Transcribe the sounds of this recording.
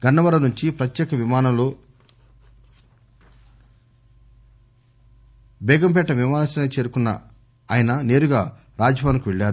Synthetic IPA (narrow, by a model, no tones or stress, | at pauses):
ɡ̥ɐnːɐʋɐɾɐnuɲt͡ʃipɾɐt̪jɛːkɐʋimaːnɐlo | bɛːɡɐmp̬ɛʈːɐʋimaːnɐsɐnet͡ʃe̞ːɾukunːɐ̰ | aːjɐnɐne̞ːɾuɡaː | ɾaːd͡ʒɐbʱaːnkuʋeɭːaːɾu